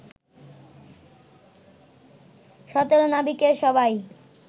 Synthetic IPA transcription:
ʃɔt̪oɾonabikeɾʃɔbaj

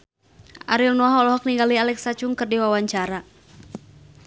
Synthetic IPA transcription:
ʔaɾilnɔaɦɔlɔɦɔk̚niŋɡalialɛksat͡ʃuŋkɨrdiwawaɲt͡ʃaɾa

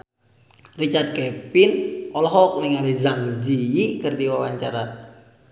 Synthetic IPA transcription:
rit͡ʃart̪̚kɛpɪnɔlɔɦɔkniŋalizaŋd͡ʒijikərdiwawaɲt͡ʃaɾa

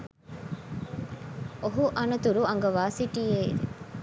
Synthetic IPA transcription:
oɦuʔɐnɐt̪uɾuɐŋɡɐʋaːsiʈieḭd̪ḛ

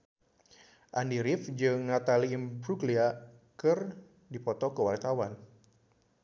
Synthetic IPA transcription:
ʔandiɾifd͡ʒɨŋnat̪alimbɾuklia | kɨr | dipɔt̪ɔkəwart̪awan

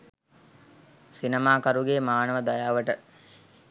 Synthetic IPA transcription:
sinemaːkɐɾuɡeːmaːnəʋəd̪ajaːʋəʈə

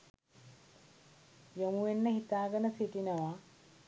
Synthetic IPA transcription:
jomuʋenːəhit̪aːɡənəsiʈinəʋa

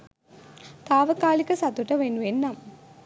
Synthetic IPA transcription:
t̪aːʋɐkːaːlɪkːɯsɐt̪ːuʈːɐʋenːuenːam

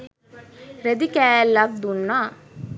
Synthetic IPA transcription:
ɾed̪ikæːlːafd̪unːaː

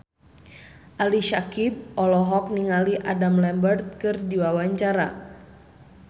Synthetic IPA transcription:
ʔaliʃakib̚ɔlɔɦɔk̚niŋaliʔadamlɛmbərt̪̚kɨrdiwawaɲt͡ʃaɾa̰

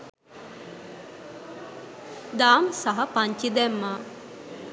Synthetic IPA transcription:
d̪aːmsaɦɐpaɲt͡ʃid̪ɛmːaː

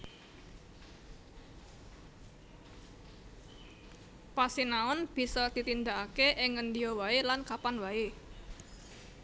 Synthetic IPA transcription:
pasinaʊnb̥i̤sɔd̪̥i̤t̪ind̪aʔakeʔɪŋənd̪iɔwaelankapanwae

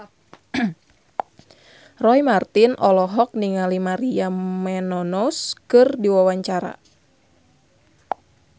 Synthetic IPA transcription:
rɔjmart̪inʔɔlɔɦɔk̚niŋalimaɾiamɛnɔnɔskɨrdiwawaɲt͡ʃaɾa̰

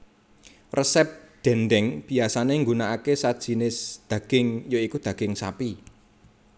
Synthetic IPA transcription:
rəsɛp̚d̪̥ɛ̤nd̪ɛŋb̥i̤asaneŋɡunaakesad̥ʒ̥i̤nɪsd̪̥ä̤ɡ̥ɪŋjoikud̪̥ä̤ɡ̥ɪŋsa̰pi

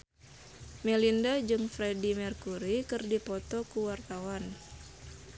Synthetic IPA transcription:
mɛlindad͡ʒɨŋfɾedimərkuɾikɨrdipɔt̪ɔkuwart̪awan

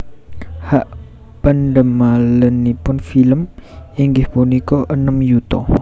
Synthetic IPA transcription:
haʔ | pəndəmalənipʊnfiləmiŋɡɪhbunikoʔənəmjut̪o̰

